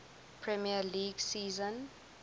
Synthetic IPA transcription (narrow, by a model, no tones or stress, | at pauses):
pʰɹɛmialiɡsiːzɔ̃n